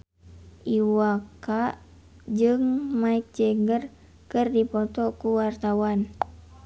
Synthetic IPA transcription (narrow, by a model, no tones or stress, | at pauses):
ʔiwakaʔ | d͡ʒɨŋmaik̚d͡ʒɛɡər | kɨrdipɔt̪ɔkuwart̪awan